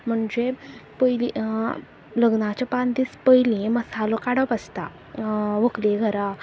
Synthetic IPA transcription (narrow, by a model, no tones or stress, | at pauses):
m̤əɳd͡zepəjli | ləɡnat͡ɕapand̪ispəjlĩməsalokaɽəpəst̪a | ʋəkleɡʱəɾa